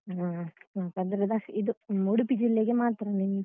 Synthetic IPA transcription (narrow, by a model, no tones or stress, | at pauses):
aakɐd̪ɾɐd̪aid̪uuɽupid͡ʒilːeɡemaːt̪ɾɐnen